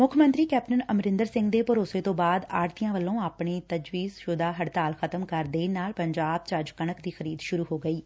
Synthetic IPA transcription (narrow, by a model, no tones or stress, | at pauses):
mʊkʰəmə̃nt̪ɾiːkɛːp̚ʈənəmɾɪnd̪əɾsɪ̃ŋɡd̪eːpʊɾoːseːt̪õːbaːd̪aːɾt̪ijãːʋəlːõːaːpɳiːt̪əd͡ʒʋiːzʃʊd̪aːɦəɽt̪aːlxʰət̪əmkəɾd̪eːnaːlpəɲd͡ʒaːb̚t͡ʃəd͡ʒkəɳəkd̪iːxəɾiːd̪ʃʊɾuːɦoːɡəiː